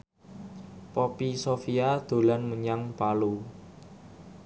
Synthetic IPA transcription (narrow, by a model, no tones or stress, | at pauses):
pɔpisofiad̪̥o̤lanməɲaŋpalu